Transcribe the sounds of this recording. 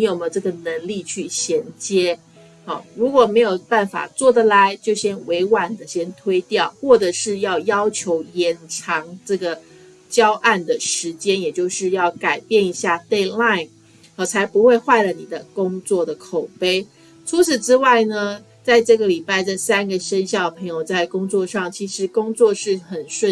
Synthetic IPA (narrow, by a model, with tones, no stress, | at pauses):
ni˧˥jo˨˩mə˨˦ʈ͡ʂɤ˥˩ɡə˩nə˧˦˥ŋli˥˧t͡ɕʰy˥˩ɕjɛ˧˥nt͡ɕjɛ˥ | ɔ˥˩ɻu˧˥kwɔ˨˩me˧˥ɪjo˨˩ʊpa˥˩nfa̰˨˩t͡swɔ˥˩d̪ə˨la˧˦ɪt͡ɕjo˥˩ʊɕjɛ˥nwe˧˥ɪwa˨˩nd̪ə˦ɕjɛ˥nt̪ʰwe˥ɪt̪jɑ˥˩ʊxwɔ˥˩ʈ͡ʂə˨˩ʂɻ̩˥˧jɑ˥˩ʊjɑ˥ʊt͡ɕʰjo˧˥ʊjɛ˨˩nʈ͡ʂʰɑ˧˥˦ŋʈ͡ʂɤ˥˩ɡə˩ | t͡ɕjɑ˥ʊʔa˥˩nd̪ə˩ʂɻ̩˧˥t͡ɕjɛ˥njɛ˨˩t͡ɕjo˥˧ʊʂɻ̩˥˧jɑ˥˩ʊka˨˩ɪpjɛ˥˩ni˧˥ɕja˥˧t̪e˥˧ɪla˥˩ɪ | ə˩t͡sʰa˧˥ɪpu˧xwe˥˧ɪxwa˥˩ɪlə˩ni˨˩d̪ə˦kʊ˥ŋt͡swɔ˥˩d̪ə˩kʰo˨˩ʊpe˥ɪ | ʈ͡ʂʰu˧˥t͡s̩ʰ˨˩ʈ͡ʂɻ̩˥wa˥˩ɪnə˩ | t͡sa˥˧ɪʈ͡ʂɤ˥˩ɡə˩li˨˩pa˥˩ɪʈ͡ʂə˥˩sa˥nɡə˨ʂə˥nɕjɑ˥˩ʊə˨pʰɤ˧˥ŋjo˨˩ʊt͡sa˥˩ɪkʊ˥ŋt͡swɔ˥˧ʂɑ˥˩ŋt͡ɕʰi˧˥ʂɻ̩˧˥kʊ˥ŋt͡swɔ˥˧ʂɻ̩˥˩xə˨˩nʂwə˥˧